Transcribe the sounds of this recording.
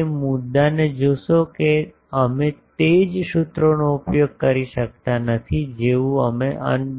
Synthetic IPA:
emʊd̪ːaned͡ʒoʃoke | əmet̪ed͡ʒʃut̪ɾonoupjoɡ̚kəɾiʃək̚t̪anət̪ʰid͡ʒeʋũəmeʔə̰n

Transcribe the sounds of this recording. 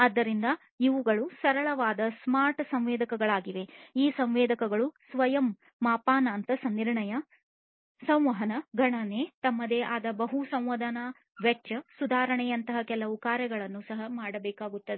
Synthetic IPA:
ɐd̪ːɐɾind̪ɐ | iʋuɡɐɭusɐɾɐɭɐʋaːd̪ɐsmaːɾʈsɐmʋeːd̪ɐkɐɡɐɭaːɡiʋe̞iːsɐmʋeːd̪ɐkɐɡɐɭusʋɐjɐmː | aːpaːnaːnt̪ɐsɐnːiɾɳɐjɐ | sɐ̃w̃ʋɐɦɐnɐɡɐɳɐneːt̪ɐmːɐd̪eːʔaːd̪ɐbɐɦusɐ̃mʋɐd̪ɐna | ʋɛt͡ʃɐsud̪ʱaːɾɐɳɛjɐnt̪ɐɦɐkɛlːɐukaːɾɐɡɐɭɐnːusɐɦɐmaːɽɐbɛːkaːɡut̪ːɐd̪e

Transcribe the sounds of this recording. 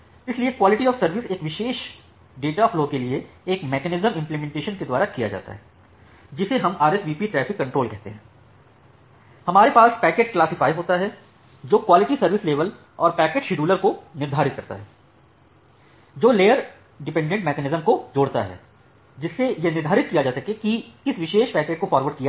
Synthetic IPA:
ɪsliekwaːlɪʈiɔːfsɐɾʋɪseːkʋɪʃeːʃ | ɖeːʈafloːkelieeːkmɛːkɛnɪzəmɪ̃mplemɛ̃ɳʈeːʃənked̪waːɾakija̰d͡ʒa̰ːt̪a̰ɦɛː | d͡ʒɪseɦɐmaːɾɛsʋiːpiʈɾɛːfɪkːɐ̃ɳʈɾoːlkɛɦt̪ḛɦɛ̃ː | hɐmaːɾepaːspɛːkeːʈ̚klaːsɪfaːɪɦoːt̪aɦɛ | d͡ʒoːkwaːlɪʈisɐɾʋɪsleːʋəl | ɔːɾpɛːkeːʈʃɪɖuːləɾkonɪɾd̪ʱaːɾɪt̪̚kɐɾt̪a̰ɦɛː | d͡ʒoːleːjəɾ | ɖɪpɛ̃ɳɖẽɳʈmɛːkɛːnɪzəmkod͡ʒoːɽt̪a̰ɦɛ̰ː | d͡ʒɪsːejenɪɾd̪ʱaːɾɪt̪̚kijad͡ʒaːsɐkekiɪsʋɪʃeːʃpɛːkeːʈ̚kofaːɾʋəɾɖ̚kija

